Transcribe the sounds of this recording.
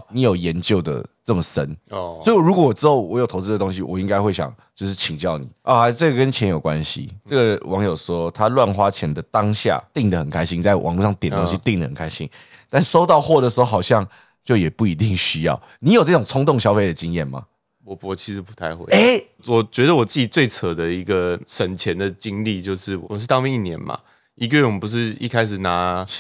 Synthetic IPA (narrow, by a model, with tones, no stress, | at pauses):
ni˧˥jo˨˩ʊjɛ˧˦nt͡ɕjo˥˩ʊd̪ə̰˩t͡sə˥˩mə˩ʂə̰˦nswɔ˧˥i˨˩wɔ˨˩ɾu˥kwɔ˧˩wɔ˨˩ʈ͡ʂɻ̩˥xo˥˩ʊwɔ˧˦jo˨˩t̪ʰo˧˥ʊt͡sɹ̩˥˩də˩t̪o˥ŋɕ̬i˧wɔ̰˨˩i˦˥ŋka˥ɪxwe˥˩ɪɕjɑ̰˨˩ŋt͡ɕjo˥˧ʊʂɻ̩˥˩t͡ɕʰi˨˩ŋt͡ɕjɑ˥˩ʊnḭ˨˩ʔɔ˥˩a˥˨˩t͡sɤ˥˩ɡə˩kə˦nt͡ɕʰjɛ˧˦njo˨˩ʊkwa˦nɕḭ˨ɤ˥˩ɡə˨wɑ˧˦ŋjo˨˩ʊʂwɔ˦˥t̪ʰa˦lwa˥˨nxwa˥t͡ɕʰjɛ˧˥nd̪ə˨t̪ɑ˦ŋɕja̰˥˧t̪i˥˨˩ŋd̪ə˩xə˨˩nkʰa˥ɪɕi˥ŋt͡sa˥˩ɪwʔɑ̰˨ŋlu˥˧ʂɑ˥˩ŋt̪jnət̪õ˥ŋ˥ɕi˧t̪i˥˩ŋd̪ə˩hə˨˩nkʰa˥ɪɕḭ˦n | t̪a˥˧n˥˩ʂo˥ʊt̪ɑ˥˧ʊxwɔ˥˩d̪ə˩ʂ̩˧˥xo˥˧ʊxɑ˨˩ʊɕjɑ˥˧ŋ | t͡ɕjo˥˩ʊjɛ˨˩pu˥˩i˧˥t̪i˥˧ŋɕy˥jɑ̰˥˩ʊ | ni˧˦jo˨˩ʊnə˥˩ʈ͡ʂʊ˨˩ŋt͡sʰʊ˥ŋt̪ʊ˥˨ŋɕjɑ˥ʊfe˥˩ɪd̪ə˩t͡ɕi˥ŋjɛ˥˩nma̰˩ | wɔ˨˩wɔ˨˩t͡ɕʰi˧˥ʂɻ̩˧˥pu̥˧˥t̪ʰa˥˩ɪxwḛ˧˥˦e˥˩ | wɔ˨˩t͡ɕɥɛ˧˥d̪ə˧wɔ˨˩t͡sɨ˥˩t͡ɕi˨˩t͡swe˥˩ɪt͡sʰə˨˩d̪ə˨i˧˦ɡə˧ʂə˨˩nt͡ɕʰjɛ˧˦nd̪ə˨t͡ɕi˦ŋli˥˧t͡ɕjo˥˧ʊʂɻ̩˥˩wɔ˨ʂ̬̩˥˩t̪ɑ˥˧ŋmɛ˥˧ŋi˥˩njɛ̰˧˥nma̰˨ | i˧˥ɡə˧jɛ˥˩nwɔ˨mə˦˩pu˧˦ʂ̬ɻ̩˥˧ḭ˥˩kʰa˥ɪʂɻ̩˨˩na˨˥˦